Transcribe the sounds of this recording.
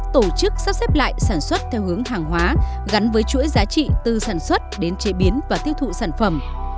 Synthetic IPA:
t̪o˧˩t͡ɕɨ˦˥k̚saː˦˥sɛ˦˥p̚la̰ː˧˨jsaː˧˩nswə˦˥t̚t̪ʰɛ˧whɨ˨˦əŋhaː˨˩ŋɦwaː˨˦ | ɣa˨˦nvəː˨˦jt͡ɕṵ˧˥əjzaː˨˦t͡ɕḭ˧˨t̪ɨ˨˩saː˧˩nswə˦˥t̚ɗe˨˦nt͡ɕe˨˦ɓi˨˦ənvaː˨˩t̪i˦˥əwt̪ʰṵ˧˨saː˧˩nfə˧˩m

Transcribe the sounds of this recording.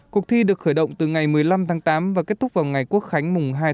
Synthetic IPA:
ku˨˩ək̚t̪ʰi˧ɗɨ˨˩ək̚xəː˧˩jɗə̰˧˨wŋ͡mt̪ɨ˨˩ŋa˨˩jmɨ˨˩əjla˧mt̪ʰaː˨˦ŋt̪aː˨˦mvaː˨˩ke˦˥t̚t̪ʰʊ˦˥k͡p̚vaː˨˩wŋa˨˩jku˦˥ək̚xa˨˦jŋ̟mʊ˨˩ŋ͡mɦaː˧j

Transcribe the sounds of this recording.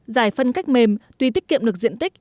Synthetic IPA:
zaː˧˩jfə˧nka˦˥jk̟̚me˧mt̪wi˧t̪i˦˥k̚ːḭ˧˨əmɗɨ˨˩ək̚zḭ˧˨nt̪i˦˥k̟̚

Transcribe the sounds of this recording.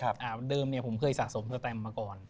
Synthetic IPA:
ʔaː˧˩dɤː˧mni˥˩ɐpʰo˩˦mkʰɤː˧jsaː˨˩so˩˦msa˧t̪ɛː˧˩mːaː˧kɔː˨˩n

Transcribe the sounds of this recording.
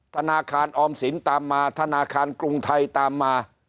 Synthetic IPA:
t̪ʰa˧naː˧kʰaː˧nʔɔː˧msi˩˦nt̪aː˧mːaː˧t̪ʰa˧naː˧kʰaː˧nkɾu˧ŋt̪ʰa˧jt̪aː˧mːaː˧

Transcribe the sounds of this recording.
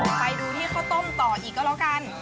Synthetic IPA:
pa˧jduː˧niː˥˩kʰa˦˥wt̪o˥˩mt̪ɔː˨˩ʔiː˨˩k̚ːɔ˧˥˧lɔː˦˥wka˧n

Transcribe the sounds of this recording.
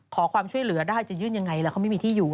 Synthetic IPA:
kʰɔː˩˦kʰwaː˧mt͡ɕʰu˥˩əjlɯ˨˩˦ɐdaː˥˩jt͡ɕa˨˩jɯː˥˩nja˧ŋːa˧jlɛ˦˥kʰa˥˩ma˥˩jmiː˧t̪ʰiː˥˩juː˨˩

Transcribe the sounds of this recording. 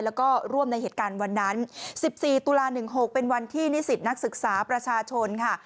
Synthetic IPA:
lɛː˦˥wkɔː˥˩ɾu˥˩əmna˧jheː˨˩t̪̚kaː˧nwa˧nːa˦˥nsi˨˩p̚siː˨˩t̪u˧laː˧nɯ˨˩ŋɦo˨˩k̚pe˧nwa˧nt̪ʰiː˥˩ni˦˥si˨˩t̪̚na˦˥k̚sɯ˨˩k̚saː˩˦pɾa˧t͡ɕʰaː˧t͡ɕʰo˧nkʰa˥˩

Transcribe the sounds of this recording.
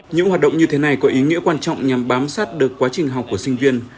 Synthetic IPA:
ɲɨ̰˧˥ŋhaː˨˩t̚ɗə̰˧˨ŋ͡mɲɨ˧t̪ʰe˨˦na˨˩jkɔ˨˦ʔi˨˦ŋḭ˧˥əkwaː˧nt͡ɕɔ̰˧˨wŋ͡mɲa˨˩mɓaː˨˦msaː˦˥t̚ɗɨ˨˩əkːwaː˨˦t͡ɕï˨˩ŋ̟ɦa˨˩k͡pkːu˧˩əsï˧ŋ̟vi˧ən

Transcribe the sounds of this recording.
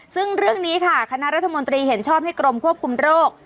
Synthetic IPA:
sɯ˥˩ŋɾɯ˥˩əŋniː˦˥kʰa˥˩kʰa˧na˦˥ʔɾa˦˥t̪ʰːa˧mo˧nt̪ɾiː˧ɦe˩˦nt͡ɕʰɔː˥˩p̚ha˥˩jkɾo˧mkʰu˥˩əp̚kʰu˧mɾoː˥˩k̚

